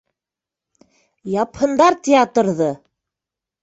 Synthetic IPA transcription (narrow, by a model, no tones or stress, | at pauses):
jɑphɤ̆nd̪ɑɾt̪ʲɪat̪ɾðɤ